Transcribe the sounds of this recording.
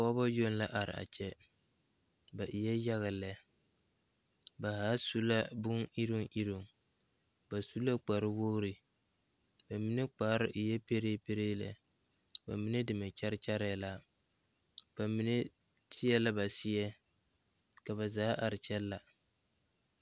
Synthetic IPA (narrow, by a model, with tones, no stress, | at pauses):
a˨wa˦ba˦jo˦n˦la˦ʔa˨ɾɪ̰˨ʔa̰˨t͡ʃɛ˦ | ba˨ʔi˨jɛ˦ja˦ɣa˨lɛ˦ | ba˨haː˨˦su˦la˦bʊ˦ŋi˦ɾi˦ŋʔi˦ɾu˨ŋ | ba˨su˦la˦k͡pa˨ɾɪ˦wo˦ɣɾi˨ | ba˨mi˦ne˦k͡pa˨˦ɾɪ˦ʔi˨jɛ˦pe˦ɾeː˦pe˦ɾeː˦la̰˨ | ba̰˨mi˨˦ne˦dɪ˨mɛ˨t͡ʃa˦ɾɪ˦t͡ʃa˦ɾɛ˨la˦ | b̥a˨mi˨ne˦ | tʰɪ˦jɛ˦la˦ba˨sɪ˦ɛ˦ | ka˨βa˨zaː˦ʔa˨ɾɪ˨t͡ʃɛ˦lːa˨